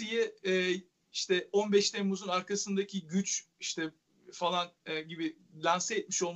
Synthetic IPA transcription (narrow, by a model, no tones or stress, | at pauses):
ijɛɛː | iʃt̪ʰɛo̞nbɛʃt̪ʰemuzunaɾkʰasɯnd̪acʰiɟyt͡ʃiʃt̪ʰɛ | falˠanɛɟibɪ | lʲænsɛːt̪̚miʃo̞lˠm